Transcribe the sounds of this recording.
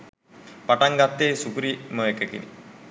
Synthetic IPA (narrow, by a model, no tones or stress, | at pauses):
paʈaŋɡat̪ːeːsukuɾimoʋekəkḭnḭ